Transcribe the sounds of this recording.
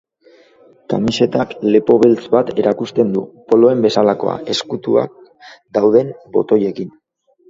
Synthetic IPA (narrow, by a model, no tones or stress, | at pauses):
kamise̞t̪akle̞po̞βelt͡sβat̪e̞ɾakust̪e̞nd̪upo̞lo̞e̞mbe̞salako̞̰a̰ʔe̞skut̪ua̰k̚ | d̪awðe̞mbo̞̰t̪o̞je̞kin